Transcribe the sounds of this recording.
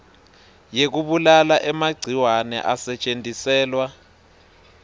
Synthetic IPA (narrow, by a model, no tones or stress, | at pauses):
jek̬uɓulalaʔɛmaɡ͡ǀʱiwanɛ̰ʔasɛt͡ʃʼentʼisɛːlwa